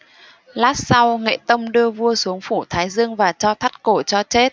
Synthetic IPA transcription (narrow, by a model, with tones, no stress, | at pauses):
laː˦˥t̚sa˧wŋḛ˧˨t̪ə˧wŋ͡mɗɨ˧əvu˧əsu˨˦əŋfu˧˩t̪ʰaː˨˦jzɨ˧əŋvaː˨˩t͡ɕɔ˧t̪ʰa˦˥t̚ko˧˩t͡ɕɔ˧t͡ɕe˦˥t̚